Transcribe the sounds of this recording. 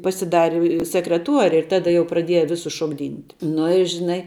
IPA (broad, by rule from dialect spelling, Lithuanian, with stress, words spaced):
pɐsʲɪˈdɑːrʲɪ sʲɛkrʲɛˈtuɔrʲɪ ɪr ˈtɑːdɐ jɛʊ prɐˈdʲiɛjɛ ˈʋʲɪsʊs ʃoːɡˈdʲiːnʲtʲ ˈnʊ ɪ ʒʲɪˈnɐɪ